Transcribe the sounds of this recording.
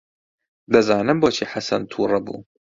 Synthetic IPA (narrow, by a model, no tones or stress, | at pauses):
d̪ɐzɑːnɨmboːt͡ʃʰiːħasɐnt̪ʰuːrˤɐbṵː